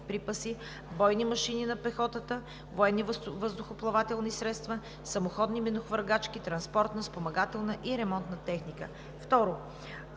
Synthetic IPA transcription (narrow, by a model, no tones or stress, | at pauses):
pɾipəsi | bɔjnimɐʃininɐpɛxɔt̪ət̪ə | voɛnːivəzd̪ʊxoplˠɐvat̪ɛlˠnisɾɛt̪st̪və | sɐmoxɔd̪nimɛnoxvəɾɡat͡ʃkit̪ɾɐnspɔɾt̪nəspomɐɡat̪ɛlˠnəʔiɾɛmɔnt̪nət̪ɛxnikə̰ | ft̪ɔɾo